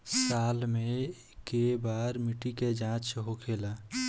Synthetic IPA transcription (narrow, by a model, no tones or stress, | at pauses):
salmẽ | kebaɾmiʈiked͡ʒãt͡ʃɦokʰela